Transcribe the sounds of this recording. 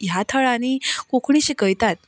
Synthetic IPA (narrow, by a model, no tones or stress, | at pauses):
jat̪ʰəɭañikokʰɳ̃ĩɕikəjt̪at̪̚